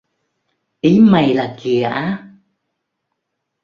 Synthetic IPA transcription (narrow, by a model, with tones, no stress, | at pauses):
ʔi˨˦ma˨˩jlaː˨˩ki˨˩əʔaː˨˦